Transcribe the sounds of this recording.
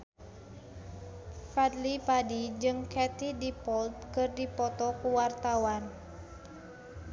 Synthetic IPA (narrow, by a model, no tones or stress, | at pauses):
fad̪lipadid͡ʒɨŋkɛt̪idipɔlt̪̚kɨrdipɔt̪ɔkuwart̪awan